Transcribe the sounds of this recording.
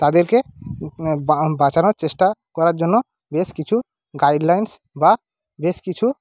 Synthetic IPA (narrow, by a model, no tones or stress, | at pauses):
t̪ad̪eɾke | bat͡ɕanoɾt͡ɕeʃʈakɔɾaɾd͡ʑonːo | beskit͡ɕʰu | ɡajɖlajns | ba | beʃkit͡ɕʰu